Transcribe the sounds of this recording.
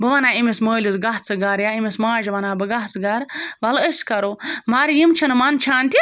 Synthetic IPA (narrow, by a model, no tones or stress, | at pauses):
bɨʋɐnaːimismoːlʲizɡɐɦt͡sɨɡɐɾjaimʲismaːd͡ʒiʋɐnaːbɨɡaɦt͡sɨɡɐɾbɐləskɐɾomaɾjimt͡ʃʰɐnɨmɐnt͡ʃʰaːnt̪ʲi